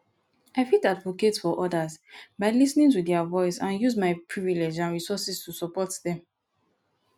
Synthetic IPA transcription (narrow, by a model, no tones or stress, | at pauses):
aɪfitadvoketsfɔʔɔdazbaɪlisnĩŋtudɛavɔɪsãnjuzmaɪpʰɹiviled͡ʒãnɹisɔsistusɔpɔtðɛ̃m